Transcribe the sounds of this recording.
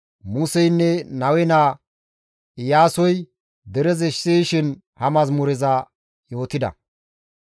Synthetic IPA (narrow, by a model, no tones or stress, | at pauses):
mʊsɛjnːɛnɐwɛnaː | ɪjaːsɔj | d̪ɛɾɛzɛʃseːjʃɪn | hɐmɐzmʊɾɛza | jo̞ːt̪ːɪd̪ɐ̰